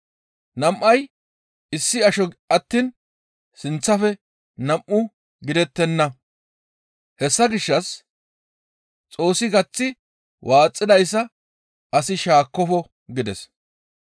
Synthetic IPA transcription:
nɐmʔːɐj | ɪsːɪɐʃɔɐt̪ːiːn | sɪnt͡sːɐfɛ | nɐmːʊ | ɡɪd̪ɛt̪ːɛnːɐ | hɛsːɐɡɪʃːɐs | t͡sʼo̞ːsːɪɡɐt͡sːɪ | wʔaːt͡sʼːɪd̪ɐjs̬ːɐ | ɐsɪʃaːkːɔfɔ | ɡɪd̪ɛs

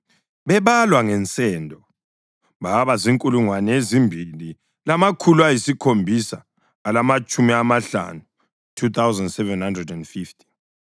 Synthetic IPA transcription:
βɛβalwaŋɛnt͡sʼɛndʱɔ | βaβaziŋkʼuluŋwanɛezimbʱili | lamakʰuluajisikʰombʱisaː | lamat͡ʃʼumiamaɬa̰nu | tʰut̪awzandsɛvɛnhandrɛdɛndfiftʰʼi̥

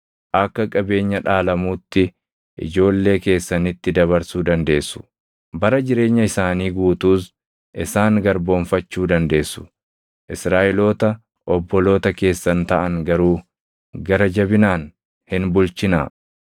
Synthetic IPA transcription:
ʔɐkːɐkʼɐbe̞ːɲːɐᶑaːlɐmuːt̪ːɪ | ʔɪ̰d͡ʒo̞ːlːe̞ːke̞ːsːɐnɪt̪ːɪd̪ɐβɐɾsuːd̪ɐnd̪e̞ːsːʊ̥ | bɐɾɐd͡ʒɪɾe̞ːɲːɐɪsaːniːɡuːt̪uːs | ʔɪsaːŋɡɐɾbo̞ːɱfɐt͡ʃːuːd̪ɐnd̪e̞ːsːʊ̥ | ʔɪsɾaːʔɪlo̞ːt̪ɐ | ʔɔbːɔlo̞ːt̪ɐke̞ːsːɐnt̪ɐʔɐŋɡɐɾuː | ɡɐɾɐd͡ʒɐbɪnaːn | hɪnbʊlt͡ʃɪna̰ː

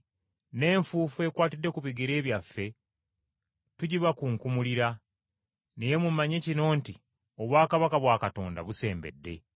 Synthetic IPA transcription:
ne̞ːɱfuːfue̞kwaːtidːe̞kuβiɡiɾe̞ːβjafːe̞ | tuɟiβakuŋkumuliɾa | neje̞mumaɲe̞cino̞ːnti | o̞βwaːkaβakaβwaːkato̞ːnda̰βuse̞ːmbe̞̰dːe̞̰

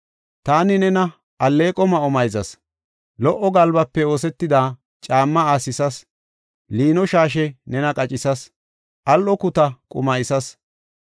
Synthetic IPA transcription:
t̪aːnɪnɛnɐ | ʔɐlːe̞ːkʼɔmɐɔmɐjzɐs | lɔʔɔɡɐlbɐpːɛo̞ːsɛt̪ːɪd̪aː | t͡ʃʼaːmːɐaːsɪsɐs | liːnɔʃaːʃ̬ɛnɛnɐkʼɐt͡ʃʼɪsɐs | ʔɐlʔɔkʊt̪ɐkʼʊ̰mɐjɪsɐs

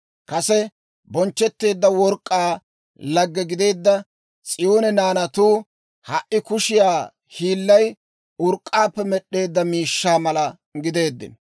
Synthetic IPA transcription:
kɐsɛ | bɔnt͡ʃːɛt̪ːe̞ːd̪ːɐwɔɾkʼːaː | lɐɡːɛɡɪd̪e̞ːd̪ːɐ | t͡sʼɪjo̞ːnɛnaːnɐt̪uː | hɐʔɪkʊʃɪjaː | hiːlːɐj | ʊɾkʼːaːpːɛmɛɗːe̞ːd̪ːɐmiːʃːaːmɐlɐ | ɡɪd̪e̞ːd̪ːɪ̰n

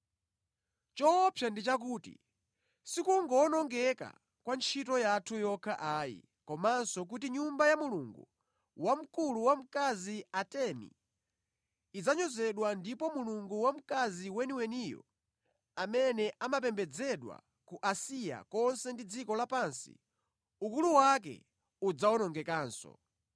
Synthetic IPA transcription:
t͡ʃɔpʰjandit͡ʃak̬uːtḭ | sikuŋɡɔːnɔŋɡɛka̰ | kwant͡ʃʰit̬ɔjatʰujɔkʰaʔaːjḭ | kɔmansɔk̬ut̬iɲumbajamuluŋɡṵ | wam̩kuluwam̩kaziatɛnḭ | id͡zaɲɔzɛɗwandipɔmuluŋɡuwam̩kaziwɛniwɛnijɔ̰ | amɛnɛʔamap̬ɛmbɛd͡zɛɗwa̰ | kuʔasija̰kɔnsɛndid͡zikɔlapansḭ | ukuluwak̬ɛ̰ | ud͡zaɔnɔŋɡɛkaːnsɔ̰

